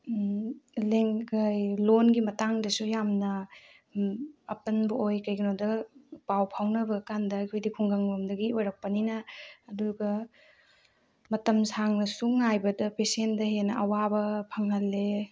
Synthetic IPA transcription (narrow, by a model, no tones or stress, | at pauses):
leŋɡɐjlonɡimɐtaŋdɐsujamnɐ | ɐpɐnbɐojkɐjɡɐnodɐpawpʰawnɐbɐɡɐkandɐːjkʰojdikʰuŋɡaŋbɐmdɐɡiojɾɐk̚pɐninɐːduɡɐ | mɐtɐmsaŋnɐsuŋajbɐdɐpesendɐɦenɐʔɐwabɐpʰɐŋɦɐlːe